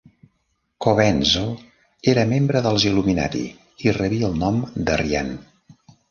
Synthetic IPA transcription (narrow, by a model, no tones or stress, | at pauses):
koβɛnzo | eɾəmembɾəðəlˠzilumina̰ɾḭ | irəβiəlˠnɔmd̪əria̰n